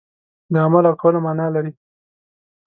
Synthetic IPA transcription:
d̪əamalawʈʰolamɑnɑlaɾi

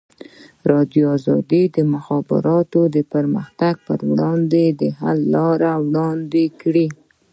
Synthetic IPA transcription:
ɾɑd̪joɑzɑ̰d̪id̪əmʊxɑbɪ̰ɾɑt̪od̪əpəɾməxt̪aɡ̚pə̰ɾwɽɑnd̪ed̪əɦa̰lːɑɾawɽɑnd̪ekɽi

